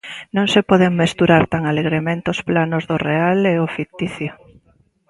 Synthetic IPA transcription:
nõŋsepɔðeŋmest̪uɾaɾt̪aŋaleɣɾemẽnt̪eosplanozðorealeʊfikt̪iθjo

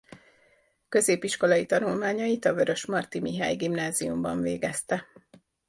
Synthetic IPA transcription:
kø̞zeːpiʃko̞lɒjit̪ɒnulmaːɲɒjit̪ɒvø̞ɾø̞ʃmɒrt̪imiɦa̰ːjɡimnaːziumbɒɱvḛːɡɛst̪ɛ

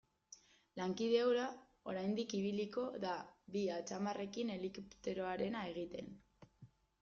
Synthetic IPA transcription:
laŋkið̞e̞wɾa | o̞ɾajnd̪ikiβ̞iliko̞ðaβiat͡samare̞kine̞likupt̪e̞ɾo̞aɾe̞nae̞ɣ̞it̪e̞n

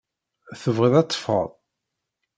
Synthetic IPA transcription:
θəvʁəðæt͡s̪ːˤfə̰ðˤ

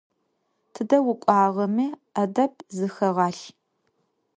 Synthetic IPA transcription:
tʰɨdɐwʊkʷʼɑːʁɐmi | ɐdɐp̚ʰzɨxɐʁɑːɬ

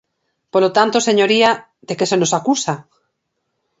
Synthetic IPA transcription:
polot̪ant̪oseɲoɾia | d̪ekesenosakusa

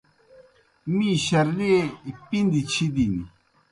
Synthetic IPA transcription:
miɕɐɾlepind̪it͡ɕʰid̪inḭ

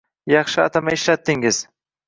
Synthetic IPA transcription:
jɑχʃɪa̰t̪ʰamaɪʃlat̪ːɪŋɪz̥

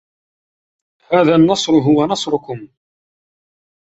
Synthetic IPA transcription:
haːðanːɑsˤɾɦʊwanɑsˤɾʊkʊm

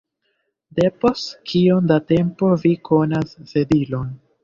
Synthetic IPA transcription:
de̞po̞stkʰiondate̞mpo̞vikʰo̞nasse̞dilo̞n

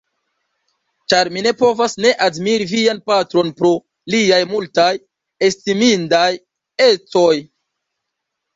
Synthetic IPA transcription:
t͡ʃaɾmine̞po̞vasne̞ʔadmiɾivianpatɾo̞npɾo̞ | liajmultaj | estimindaj | e̞t͡so̞j

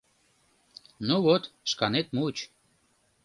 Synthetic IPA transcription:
nuβot̪ʃkɑnet̪mut͡ɕ

